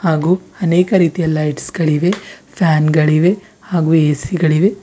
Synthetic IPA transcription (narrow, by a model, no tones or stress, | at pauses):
haːɡuːɐneːkɐɾiːt̪ijɐlɐjʈsɡ̥ɐɭiʋe̞pʰaːnɡɐɭiʋe̞ | haːɡuːeːsiɡɐɭiʋe̞